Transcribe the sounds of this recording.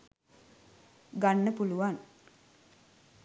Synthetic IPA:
ɡanːəpuluʋan

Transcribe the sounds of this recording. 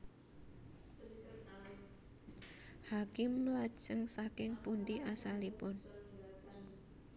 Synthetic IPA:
hakɪmlḁʒ̥əŋsakɪŋpund̪iasalipʊn

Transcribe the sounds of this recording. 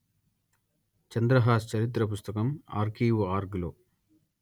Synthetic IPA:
t͡ʃɐnd̪ɾɐɦaːst͡ʃɐɾit̪̬ɾɐpust̪ɐkɐma̰ːɾkʰiːʋaːɾɡloː

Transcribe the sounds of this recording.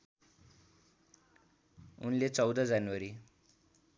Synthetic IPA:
unlet͡sʌwd̪ʌd͡zanwaɾi

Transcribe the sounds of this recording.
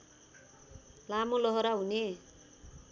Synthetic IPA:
lamolʌɦʌɾaɦune

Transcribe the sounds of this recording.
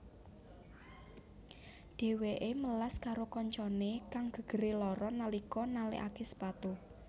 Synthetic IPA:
ɖ̥e̤weʔeməlaskaɾokɔɲt͡ʃɔnekaŋɡ̥ə̤ɡ̥ə̤ɾelɔɾɔnalikɔnalḛʔakesə̥pat̪u

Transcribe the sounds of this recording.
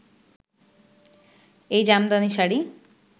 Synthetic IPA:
ejd͡ʑamd̪aniʃaɽi

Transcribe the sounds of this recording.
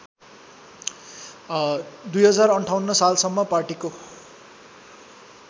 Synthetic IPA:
d̪ujɦʌd͡zarʌɳʈʰawnːʌsalsʌmːʌparʈiko

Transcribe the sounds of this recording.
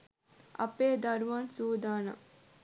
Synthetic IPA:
ʔɐ̰peːd̪ɐɾuʋaːnsuːd̪aːnɐ̰

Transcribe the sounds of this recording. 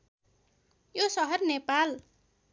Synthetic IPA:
josɔɦərnepal

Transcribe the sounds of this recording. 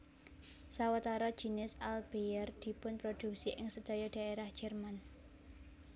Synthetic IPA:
sawat̪aɾɔd̥ʒ̥i̤nɪsalb̥ejərd̪̥i̤pʊnpɾod̪̥ṳksiʔɪŋsəd̪̥ɔ̤jɔd̥a̤ʔeɾahd̥ʒ̥ɛ̤rman

